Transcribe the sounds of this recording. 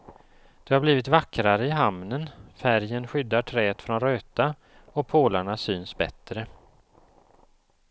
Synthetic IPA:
d̪̥ɛhaɾbliːvɪt̪vakːɾaɾəɪɦamnənfæɾjənɧʏd̪ːaʈʰɾɛːt̪fɾɔnɾøːt̪a | ɔpʰoːlaɳasyːnsbɛ̰t̪ɾə

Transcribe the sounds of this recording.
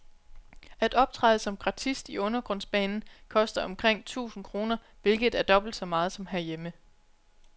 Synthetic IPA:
æd̥ɒ̽b̥̚t͡sʰʁɑɪð̩ˠsɒ̽mɡ̥ʁɑ̈t͡sʰisd̥iɔ̽nɐɡ̥ʁɔ̽n̰sb̥ɛ̰ːnn̩kʰɒ̽sd̥ɐɒ̽mkʰʁeŋ̰t͡sʰṵːsn̩kʰʁo̝ːnɐ | ʋe̝lɡ̥ð̩ˠæɐd̥ɒ̽b̥l̩d̥sɒ̽mɑ̈ːð̞̩ˠsɒ̽mɦæɐjemə

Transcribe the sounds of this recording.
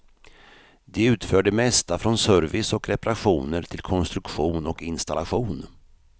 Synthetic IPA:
d̪̥ɛʉ̟ːt̪fœːɖəmɛst̪afɾɔnsœɾvɪsɔkɾɛpaɾaɧuːnəɾt̪ʰɪlkʰɔnst̪ɾɵkɧuːnɔkɪnst̪alaɧuːn

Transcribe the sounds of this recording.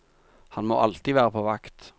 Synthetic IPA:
hɑnmo̰ːʔɑlt̪iʋæːʁəpʰoːʋɑkt̪

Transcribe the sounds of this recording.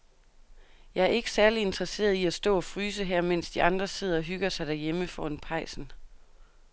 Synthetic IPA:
jɑ̈ɪæɐe̝ɡ̥ə̥sæɐlie̝nd̥ʁɐse̝̰ːɐðˠiæsd̥ɔ̰̽ːɒ̽fʁyːs̬əɦæɐ̰men̰sd̥iɑ̈nd̥ʁɐse̝ð̞̰ˠɐɒ̽ɦyɡ̥ɐsɑ̈ɪd̥æɐjeməfɒːenpʰɑ̈ɪ̰sn̩

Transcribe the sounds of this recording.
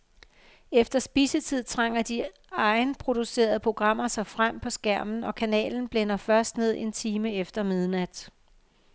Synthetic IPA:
efd̥ɐsb̥iːsət͡sʰið̞̰ˠt͡sʰʁɑ̈ŋ̰ɐd̥i | ɑ̈ɪnpʰʁo̝d̥use̝̰ːɐð̞̩ˠəpʰʁo̝ɡ̥ʁɑ̈m̰ɐsɑ̈ɪfʁam̰pʰɒ̽sɡ̥æɐ̰mn̩ɒ̽kʰænɛ̰ːln̩b̥lenɐfɶɐsd̥ne̝ð̞̰ˠe̝nt͡sʰiːməefd̥ɐmeð̞ˠnæd̥

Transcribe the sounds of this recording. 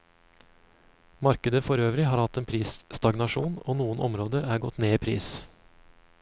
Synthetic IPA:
mɑɾkəd̪əfɔɾøːʋɾɪɦɑːɾhɑt̪eːnpʰɾiːsst̪ɑɡnɑʃuːno̰ːnuːənʔɔ̰mɾoːd̪əɾæːɡɔt̪neːiːpʰɾḭːs

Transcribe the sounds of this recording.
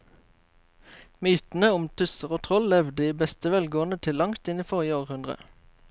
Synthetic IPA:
myːt̪n̩əʊmt̪ʰʉsəʁoːt̪ʰʁɔllɛʋd̪əiːbɛst̪əʋɛlɡoːənət̪ʰɪlːɑŋt̪ɪniːfɔʁjəoːʁhʉnd̪ʁə̰

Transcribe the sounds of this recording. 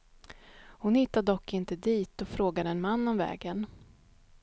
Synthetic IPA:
hʊnhɪt̪ːad̪d̪ɔkːɪnt̪əd̪iːt̪ɔfɾoːɡad̪əɛnmanːɔmvɛ̰ːɡən

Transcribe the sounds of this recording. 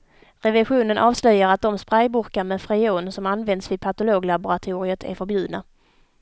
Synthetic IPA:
ɾɛvɛɧuːnənʔɑːvslœjaɾat̪̚d̪ɔmspɾajbʊɾkamɛfɾɛuːnsɔmanvɛnd̪svɪpʰat̪ʊloːɡlabʊɾat̪ʰuːɾɪət̪ʰæ̰ɾfœɾbjʉ̟ːd̪na

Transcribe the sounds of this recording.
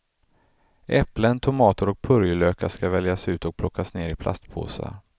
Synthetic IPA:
ʔɛplənt̪ʰʊmɑːt̪əɾɔk̚pʰɵɾjəløːkaʂkavɛljasʉ̟ːt̪ɔk̚pʰlɔkːasneːɾɪpʰlʔa̰st̪pʰo̰ːsa̰

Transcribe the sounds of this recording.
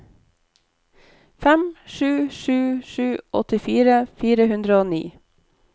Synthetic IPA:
fæmʃʉːʃʉːʃʉːʔɔ̰t̪ɪfiːɾəfiːɾəhʉnd̪ɾəoːnḭː

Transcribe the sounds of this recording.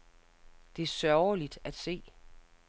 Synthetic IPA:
d̥e̝æɐsɶʊlid̥æd̥se̝̰ː

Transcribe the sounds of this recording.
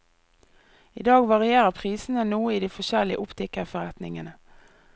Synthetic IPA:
iːd̪ɑːɡʋɑʁɪeːʁəpʰʁiːsn̩ənuːəiːd̪iːfɔʃɛlɪə̰ʔʊpt̪ʰɪkəʁfɔʁɛt̪nɪ̰ŋənə

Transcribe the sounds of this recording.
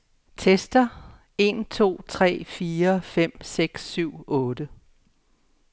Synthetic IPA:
t͡sʰesd̥ɐ | e̝nt͡sʰo̝̰ːt͡sʰʁɛ̰ːfiːɐfem̰seɡ̥sːyʊ̰ɔːd̥ə

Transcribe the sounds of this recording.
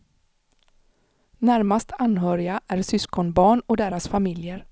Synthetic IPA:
næɾmast̪ʰanɦœːɾɪaʔæɾsʏskɔnbɑːɳɔd̪eːɾasfamɪljəɾ

